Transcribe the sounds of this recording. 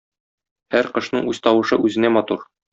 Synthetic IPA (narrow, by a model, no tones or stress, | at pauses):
hæɾqɤ̆ʃnɤɴʉz̥t̪ɒwɤ̆ʃɤʔʉzɘ̆næmɒt̪uɾ